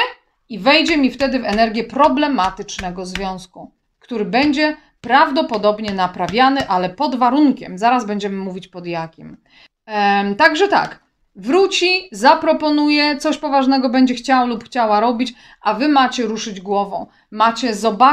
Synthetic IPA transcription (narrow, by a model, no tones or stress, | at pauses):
ivɛjd͡ʑɛmʲift̪ɛd̪ɘvɛnɛɾɡʲjɛpɾɔblɛmat̪ɘt͡ʂnɛɡɔzvʲjɔ̃w̃sku | kt̪uɾɘbɛɲd͡ʑɛ | pɾavd̪ɔpɔd̪ɔbɲɛnapɾavʲjanɘʔalɛpɔd̪vaɾuŋkʲɛ̰mzaɾazbɛɲd͡ʑɛmɘmuvʲit͡ɕpɔd̪jakʲim | t̪aɡʐɛt̪a̰k | vɾut͡ɕizapɾɔpɔnujɛt̪sɔɕpɔvaʐnɛɡɔbɛɲd͡ʑɛxt͡ɕawlupxt͡ɕawaɾɔbʲit͡ɕ | ʔavɘmat͡ɕɛɾuʂɘd͡ʑɡwɔvɔ̰̃w̃ | mat͡ɕɛzɔba